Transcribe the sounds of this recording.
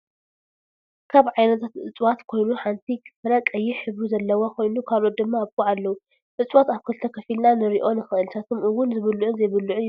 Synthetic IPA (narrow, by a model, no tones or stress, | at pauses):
kʰaβʕajnɐt̪ʰat̪ʔɨ̰t͡sʼwat̪kʰo̞jnuħant̪ʰikʰɨ̥fɐɾakʼɐjːɪħɨβuzɐlːɐwokʰo̞jnukʰalʔot̪̚d̪ɨmːaːβkʼuʕalːɐwu | ʔɨt͡sʼwat̪aβkʰɨlt̪ʰɐkʰɐfilnanɨɾiʔo̞nɨxɨʔɨlt̪ʰat̪ʰomʔɨwʊnzɨβɨlːuʕʊnzɐjβɨlːuʕʊ